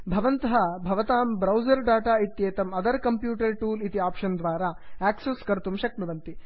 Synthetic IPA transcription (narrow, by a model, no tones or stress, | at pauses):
bʱɐʋɐnt̪ɐɦɐbʱɐʋɐt̪aːmbɾɐwd͡ʒɐɾɖaːʈaːit̪jeːt̪ɐmɐd̪ɐɾkɐmpjuːʈɐɾʈuːlit̪iaːpʂɐnd̪ʋaːɾaːaːkseskɐɾt̪umʃɐk̚mɐʋɐnt̪i